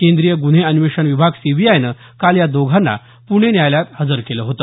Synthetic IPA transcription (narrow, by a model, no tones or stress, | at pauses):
kend̪ɾijəɡuɽ̤eənʋeʂənʋibʱaɡsibʱijajnə | kaljad̪oɡʱanːa̰ | puɽ̃enjajljat̪həd͡zəɾkeləːɦot̪ə̥